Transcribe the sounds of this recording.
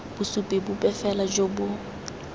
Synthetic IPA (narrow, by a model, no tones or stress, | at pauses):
bʊsupʼibʊpʼɛfɛlad͡ʒobʊ